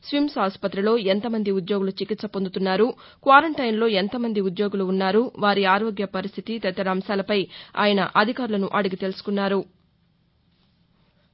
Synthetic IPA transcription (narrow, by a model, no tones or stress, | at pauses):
sʋimsaːspɐt̪ɾilo̞ːent̪ɐmɐnd̪iud̪jo̞ːɡulut͡ʃikit̪sɐpond̪ut̪unːaːɾu | kʋaːɾɐɳʈɐjnlo̞ːent̪ɐmɐnd̪iud̪jo̞ːɡuluːnːaːɾuʋaːɾiaːɾo̞ːɡjɐpɐɾist̪ʰit̪it̪ɛt̪ːɐɾaːmsaːlɐpɐja̰ːjɐnɐ̰ʔɐd̪ʱikaːɾulɐnuʔɐɽuɡit̪elusu̥kunːaːɾu